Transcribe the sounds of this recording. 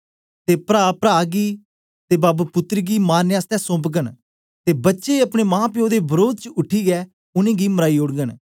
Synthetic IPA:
t̪eːpɾaːpɾaːɡiː | t̪eːbaːbpʊt̪ɾiɡiːmaːnjaːst̪ɛ̃ːsʊ̃ːpɡən | t̪eːbətːʃeːəpɽ̃eːmãːpiõːd̪eːbəɾoːd̪̚t͡ʃəʊʈʰiːɡɛː | ʊnẽːɡiːməɾaːiːʊɽɡən

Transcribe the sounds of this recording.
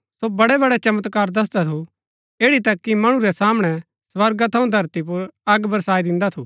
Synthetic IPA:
sobɐɽɛbɐɽɛt͡ʃɐmət̪kaːɾd̪ɐs̬d̪at̪ʰu | eːɽit̪ɐkːimɐɽ̃ũɾɛsaːmɽ̃ɛ | sʋɐɾɡat̪ʰɐ̃ũd̪ʱɐɾt̪ip̬ʊɾɐɡbɐɾsaːid̪ɪ̃nd̪at̪ʰuː

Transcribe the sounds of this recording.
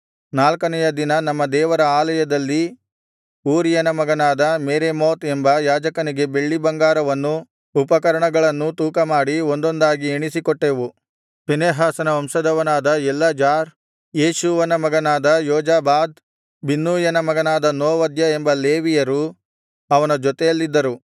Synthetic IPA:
naːlkɐnɛjɐd̪inɐnɐmːɐd̪ɛːʋɐɾɐaːlɐjɐd̪ɐlːi | uːɾijɐnɐmɐɡɐnaːd̪ɐmeːɾemoːt̪embɐjaːd͡ʒɐkɐniɡe̞be̞ɭːibɐŋɡaːɾɐʋɐnːu | upɐkɐɾɐɳɐɡɐɭɐnːut̪uːkɐmaːɽiond̪o̞nd̪aːɡieɳisikɔʈːeːʋu | pineːɦaːsɐnɐɐmsɐd̪ɐʋɐnaːd̪ɐɛlːɐd͡ʒaːɾ | jeːʃuʋɐnɐmɐɡɐnaːd̪ɐjɔːd͡ʒaːbaːd̪ | binːuːjɐnɐmɐɡɐnaːd̪ɐnoːʋɐd̪jɐembɐleːʋijɐɾu | ɐʋɐnɐd͡ʒɔt̪ejɐlːid̪ːɐɾu

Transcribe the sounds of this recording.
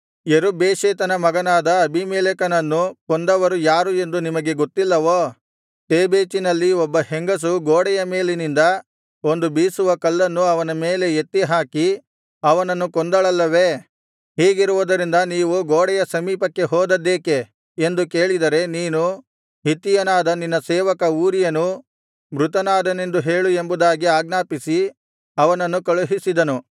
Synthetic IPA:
jeɾubeːʃeːt̪ɐnɐmɐɡɐnaːd̪ɐɐbʱimeːlekɐnɐnːukond̪ɐʋɐɾujaːɾue̞nd̪unimɐɡe̞ɡot̪ːilːɐʋoː | ʈeːbeːt͡ʃinɐlːiɔbːɐheŋɡɐs̬uɡoːɽɛjɐme̞ːlenind̪ɐ | o̞nd̪ubiːsuʋɐkɐlːɐnːuɐʋɐnɐme̞ːle̞et̪ːiɦaːki | ɐʋɐnɐnːukond̪ɐɭɐlːɐʋe̞ | hiːɡiɾuʋud̪ɐɾind̪ɐniːʋuɡoːɽɛjɐsɐmiːpɐkːe̞ɦɔːd̪ɐd̪ːeːke̞ | end̪uke̞ːɭid̪ɐɾe̞niːnu | ɦit̪ːijɐnaːd̪ɐninːɐsɛːʋɐkɐuːɾijɐnːu | bɾut̪ɐnaːd̪ɐne̞nd̪uɦe̞ːɭue̞mbud̪aːɡiaːɡnaːpisi | ɐʋɐnɐnːukɐɭuɦisid̪ɐnu

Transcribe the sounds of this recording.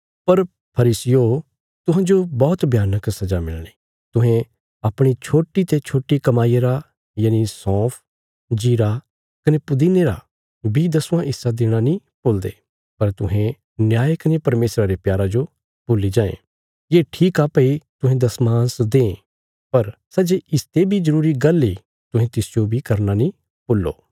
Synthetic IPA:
pɐɾ | pʰɐɾiːsɪjo | t̪ʊɦãd͡ʒobɔːt̪bʱjaːnəksɐd͡ʒamɪ̰lɽ̃e | t̪ʊɦẽ | apɽ̃it͡ʃʰoːʈːit̪et͡ʃʰoːʈːikɐmaːieɾa | jaːnisɔ̃ːpʰ | d͡ʒiːɾa | kɐnepʊd̪ineːɾa̰ | bʱid̪ɐsʊ̃ãʔɪsːad̪ɪːɽ̃anĩpoːld̪ḛː | pɐɾt̪ʊɦẽ | njaːjekɐnepɐɾmeːsɾaɾepjaːɾad͡ʒo | pʊlid͡ʒãːḛ̃ | jeːʈʰiːkaːpeit̪ʊɦẽd̪ɐsmãːsd̪ẽː | pɐɾsɐd͡ʒeɪst̪ebʱizɐɾuːɾiɡɐlːi | t̪ʊ̃ɦẽt̪ɪsd͡ʒobʱikɐɾnanĩ | pʊlːo̰ː

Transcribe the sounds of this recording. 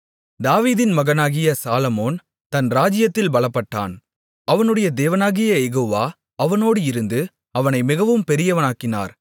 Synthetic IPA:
d̪aːʋiːðɪnmɐɣɐnaːɣɪjɐsaːlɐmoːn | t̪ɐnɾaːd͡ʒɪjɐt̪ːɪlbɐɭɐpːɐʈːa̰ːn | ɐʋɐnɯɽɐjɐd̪eːʋɐnaːɣɪjɐjɛɣoːʋaː | ɐʋɐnoːɽɯɪɾɯnd̪ɯ | ɐʋɐnɐɪmɪɣɐʋɯmpɛɾɪjɐʋɐnaːkːɪna̰ːɾ

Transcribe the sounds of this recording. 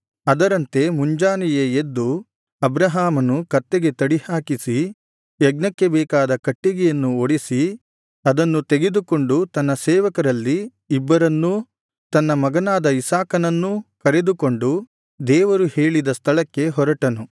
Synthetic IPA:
ɐd̪ɐɾɐnt̪e̞muɲd͡ʒaːnɛjeed̪ːu | ɐbɾɐɦaːmɐnukɐt̪ːe̞ɡe̞t̪ɐɽihaːkisi | jɐɡnɐkːe̞bɛːkaːd̪ɐkɐʈːiɡɛjɐnːuoɽisi | ɐd̪ɐnːut̪e̞ɡed̪uko̞ɳɖut̪ɐnːɐsɛːʋɐkɐɾɐlːiː | bːɐɾɐnːu | t̪ɐnːɐmɐɡɐnaːd̪ɐisaːkɐnɐnːukɐɾe̞d̪uko̞ɳɖu | d̪ɛːʋɐɾuheːɭid̪ɐst̪ʰɐɭɐkːe̞ɦɔɾɐʈɐnu

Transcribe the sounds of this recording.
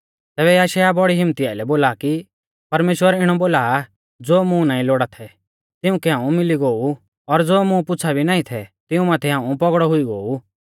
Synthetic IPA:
t̪ɛːbɛjaːʃajabɔɽiɦɪ̃mːət̪iaːilɛboːlaːki | pɐɾmeːʃwəɾɪɽ̃ɔboːlaː | d͡zoːmũnãːĩloːɽat̪ʰɛ | t̪ɪʊ̃kɛɦãːũmɪliɡoːu | ɔɾd͡zoːmũpʊt͡sʰabʱinãːĩt̪ʰɛt̪ɪũmãːt̪ʰɛɦãːũpɔɡɽɔɦʊiɡoːu

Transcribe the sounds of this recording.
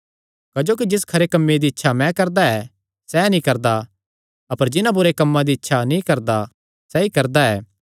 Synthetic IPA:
kɐd͡ʒoːk̬id͡ʒɪskʰɐɾekɐmːed̪iɪtːʃʰamɛ̃kɐɾd̪aɛ | sɛnĩkɐɾd̪a | ɐpəɾd͡ʒɪnãbʊɾekɐmːãd̪iɪtːʃʰanĩkɐɾd̪a | sɛikɐɾd̪aɛː

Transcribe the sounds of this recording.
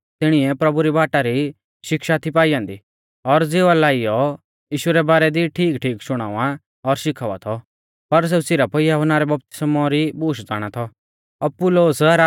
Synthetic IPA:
t̪ɪɽ̃ɪɛpɾɐbuɾibaːʈaɾi | ʃɪkʃat̪ʰipaːijãːnd̪i | ɔɾd͡zeːʋalaːijɔ | jiːʃuɾɛbaːɾɛd̪iʈʰiːkʈʰiːkʃʊɽ̃a̰ːʋa | ɔɾʃɪkʰaːʋa̰t̪ʰɔ | pɐɾs̬ɛsɪɾapɔijaɦʊnaːɾɛbɐp̚t̪ɪ̥smɔɾibuːʃd͡za̰ːɽ̃at̪ʰɔ | ɔpʊloːsɾa

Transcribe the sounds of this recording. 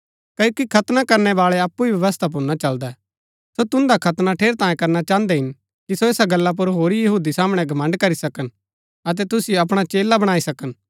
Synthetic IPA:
kɐjoːkikʰɐt̪nakɐɾnɛbaːɭɛɐpːuiʋjɐʋəst̪ʰap̬ʊɾnat͡ʃɐld̪ɛ | sot̪ʊ̃nd̪akʰɐt̪naʈʰeːɾt̪ãːjẽkɐɾnat͡ʃãːə̃nd̪ɛɦɪn | kisoeːsaɡɐlːap̬ʊɾɦoːɾijɐɦuːd̪isaːmɽ̃ɛ̃ɡʱɐmɐ̃ɳɖkɐɾisɐkən | ɐt̪̬ɛt̪ʊsijoɐp̬ɽ̃at͡ʃeːlabɐɽ̃aːisɐkən

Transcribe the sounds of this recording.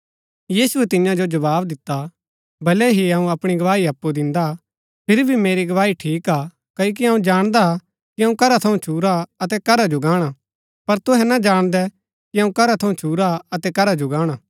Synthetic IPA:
jiːsuɛt̪ɪjãd͡ʒod͡ʒɐbaːbd̪ɪt̪ːa | bɐlɛɦiɐũɐpɽ̃iɡɐʋaːiɐpːud̪ɪ̃nd̪a | pʰɪɾibʱimeːɾiɡɐʋaːiʈʰiːkaː | kɐok̬iɦɐũd͡ʒaːɽ̃d̪a | kiɦɐũkɐɾat̪ʰɐũt͡ʃʰuːɾaɐt̪ɛkɐɾad͡ʒoɡaːɽ̃a | pɐɾt̪ʊɦɛnad͡ʒaːɽ̃d̪ɛ | kiɐũkɐɾat̪ʰɐũt͡ʃʰuːɾaɐt̪ɛkɐɾad͡ʒoɡaːɽ̃aː

